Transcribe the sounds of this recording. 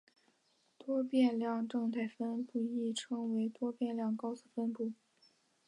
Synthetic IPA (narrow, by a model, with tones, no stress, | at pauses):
t̪wɔ˥pjɛ˥˧nljɑ˥˧ŋʈ͡ʂɤ˥˧ŋt̪ʰa˥˩ɪfə˥npu˥˩i˥˩ʈ͡ʂʰɤ˥ŋwe˧˥ɪt̪wɔ˥pjɛ˥˧nljɑ˥˩ŋkɑ˥ʊsu˥˩fə˥npu˥˩